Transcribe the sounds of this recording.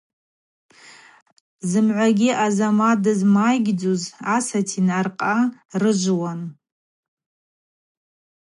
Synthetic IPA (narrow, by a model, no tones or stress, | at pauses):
zɨmʕʷaɡʲiʔazamadɨzmajɡʲd͡zozasatʰinarqʼarɨʒʷwan